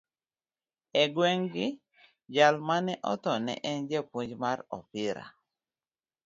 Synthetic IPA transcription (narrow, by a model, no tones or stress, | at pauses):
ɛɡwɛŋɡɪ | d͡ʒalmanɛʔɔt̪ɔnɛ̰ʔɛnd͡ʒɛpuɲd͡ʒmaɾɔ̰pɪɾa̰